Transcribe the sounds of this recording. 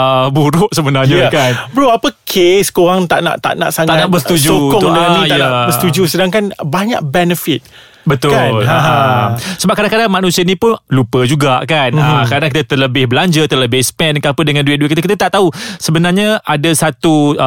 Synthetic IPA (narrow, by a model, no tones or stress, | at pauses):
əbuɾʊʔsəbənarɲakanbəɾuapəkʰeskoɾaŋt̪a̰ʔna̰ʔt̪a̰ʔna̰ʔsaŋanãʔbəst̪ud͡ʒukʊŋdənĩanaəst̪ud͡ʒusədaŋkanbaɲa̰ʔ̚bɛnəfit̪̚ | bət̪ʊlaasəbap̚kadaŋkadaŋmãnũsiənĩpʊnlupəd͡ʒuɡakanəkaɾənak̬it̪at̪ərləbɪhbəlaɲd͡ʒət̪ərləbɪhspɛnkaapədəŋãnduɪt̪̚duit̚kit̪akit̪at̪aʔt̪ausəbənarɲaadasat̪u